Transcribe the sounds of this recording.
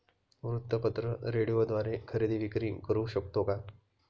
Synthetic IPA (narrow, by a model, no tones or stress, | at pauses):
ʋɾut̪ːəpət̪ɾəɾeɽijod̪ʋaɾekʰəɾed̪iːʋikɾiːkəɾuːɕəkt̪oka